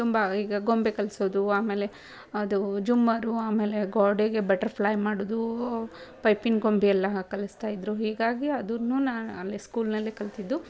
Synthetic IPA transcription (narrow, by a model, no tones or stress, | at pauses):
t̪umbɐiːɡɐɡo̞mbekɐlsoːd̪uaːmeːle̞ | ɐd̪ud͡ʒumːɐɾuaːme̞ːle̞ɡaːɖeɡe̞bɐʈɐɾpʰlɐːjmaːɽoːd̪u | pɐjpinɡo̞mbiɛlːɐkɐlɐst̪aːjid̪ɾuɦiːɡaːɡiɐd̪unːunaːalːeskuːlnɐlːekɐlt̪id̪ːu